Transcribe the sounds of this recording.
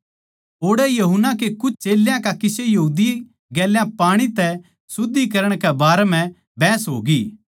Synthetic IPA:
oːɽɛjɐɦʊnːakekʊt͡ʃʰt͡ʃeːljãkakɪsejɐɦuːd̪i | ɡɛːljãpaːɽ̃it̪ɛ | sʊd̪ːikɐɾəɽ̃kɛbaːɾɛmɛ̃ | bɛːsɦo̰ːɡiː

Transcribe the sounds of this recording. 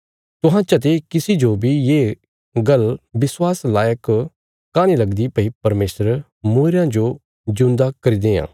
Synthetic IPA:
t̪ʊɦãt͡ʃɐt̪̬ekɪsid͡ʒobʱijeː | ɡɐlbɪswaːslaːjək | kaːñilɐɡd̪ipɐipɐɾmeːsəɾ | moːɾjãd͡ʒo | d͡ʒʊ̃nd̪akɐɾid̪ẽːã̰ː

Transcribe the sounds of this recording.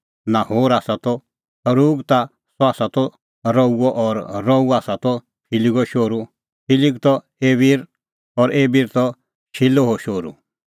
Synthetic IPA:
nãhoːɾaːsat̪ɔ | ɐɾuːɡt̪a | sɔaːsat̪ɔ | ɾɔuɔʔɔɾːɔuaːsat̪ɔ | pʰiliɡɔʃoːɾu | pʰiliɡt̪ɔ | eːbiːɾ | ɔɾeːbiːɾt̪ɔ | ʃʰɪloɦoʃoːɾṵ

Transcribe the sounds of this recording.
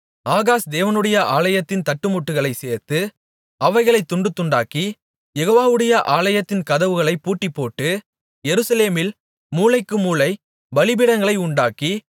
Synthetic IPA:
aːɣaːsd̪eːʋɐnɯɽɐjɐʔaːlɐjɐt̪ːɪnt̪ɐʈːɯmʊʈːɯɣɐɭɐɪseːɾt̪ɯ | ɐʋɐɪɣɐɭɐɪt̪ːʊɳɖɯt̪ːʊɳɖaːki | jɛɣoːʋaːʋɯɽɐjɐʔaːlɐjɐt̪ːɪnkɐðɐʋɯɣɐɭɐɪpːuːʈːipːoːʈːɯ | jɛɾɯsɐleːmɪl | muːlɐɪkːɯmuːlɐɪ | bɐlɪbɪɽɐŋɡɐɭɐɪʊɳɖaːki

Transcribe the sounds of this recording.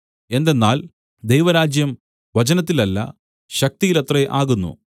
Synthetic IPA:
e̞nd̪e̞nːaːl | d̪ejʋɐɾaːd͡ʑjɐm | ʋɐt͡ɕɐnɐt̪̬ːilɐlːɐ̰ | ɕɐk̚t̪ijilɐt̪reʔaːɣunːṵ

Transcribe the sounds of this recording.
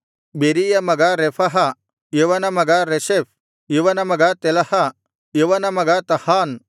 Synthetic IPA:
beːɾijɐmɐɡaɾefʰɐɦɐ | jeʋɐnɐmɐɡaɾeʃef | jeʋɐnɐmɐɡat̪elɐhɐ | jeʋɐnɐmɐɡat̪ɐhaːn

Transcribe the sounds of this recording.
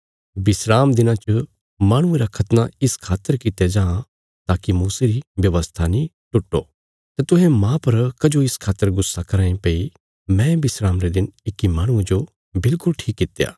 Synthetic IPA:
bɪsɾaːmd̪ɪnãt͡ʃə | maːɽ̃ʊ̃ẽɾakʰɐt̪naɪskʰaːt̪ːəɾkɪt̪jed͡ʒãːã | t̪aːkimuːseɾiʋjɐʋəst̪ʰanĩ | ʈʊʈːo | t̪et̪ʊɦẽmãːpɐɾkɐd͡ʒoɪskʰaːt̪ːəɾɡʊsːakɐɾaːẽpeːi | mɛ̃bɪsɾaːmɾed̪ɪnɪkːimaːɽ̃ʊ̃ẽd͡ʒo | bɪlkʊlʈʰiːkːɪt̪ːja̰ː

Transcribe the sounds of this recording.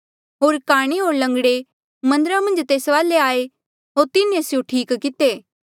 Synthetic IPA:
ɦoːɾkaːɽ̃eɦoːɾlɐ̃ŋɡɽe | mɐ̃nd̪əɾamɐ̃nd͡ʒt̪eːsʋaːleaːe | ɦoːɾt̪ɪnesjõʈʰiːkkɪt̪eː

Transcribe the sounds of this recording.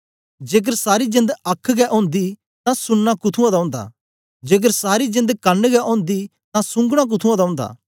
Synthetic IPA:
d͡ʒeːk̬əɾsaːɾid͡ʒɪ̃nd̪ɐkʰːɡɛʔõːnd̪i | t̪ãsʊnːakʊt̪ʰũãd̪aʊ̃ːnd̪a̰ | d͡ʒeːk̬əɾsaːɾid͡ʒɪ̃nd̪kɐnːɡɛʔõːnd̪i | t̪ãsʊ̃ŋɡɽ̃ak̬ʊt̪ʰũãd̪aʊ̃ːnd̪a̰ː

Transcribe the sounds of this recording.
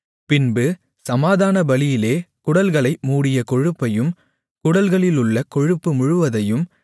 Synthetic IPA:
pɪnbɯ | sɐmaːðaːnɐbɐlɪjɪleːkʊɽɐlɣɐɭɐɪmuːɽɪjɐkɔɻɯpːɐjɯm | kʊɽɐlɣɐɭɪlʊɭːɐkɔɻɯpːɯmʊɻʊʋɐðɐjɯm

